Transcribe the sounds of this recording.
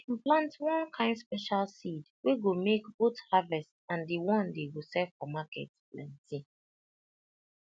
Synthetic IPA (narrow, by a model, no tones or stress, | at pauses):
plãntwɔ̃nkʰãɪ̃ndspɛʃalsidweɡomekbothavɛstãndiwɔ̃ndeɡosɛvfɔmakɛ̰tplãntʰĩ